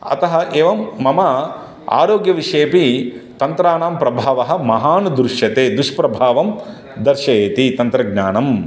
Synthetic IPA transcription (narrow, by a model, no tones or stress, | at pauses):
ɐ̰t̪ɐɦɐʔeːʋɐmːɐmɐ | a̰ːɾoːɡjɐʋiʂeːpit̪ɐnt̪ɾaːnaːmpɾɐbʱaːʋɐɦɐ̆mɐɦaːnd̪ɾuʂjɐt̪eːd̪uʂpɾɐbʱaːʋɐm | d̪ɐɾʃɐjeːt̪it̪ɐnt̪ɾɐɡɲaːnɐm